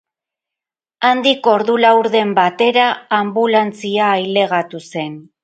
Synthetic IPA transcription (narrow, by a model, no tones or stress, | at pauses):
and̪iko̞ɾðulawɾðe̞mbat̪e̞ɾaːmbulant͡siaːjle̞ɣ̞at̪use̞n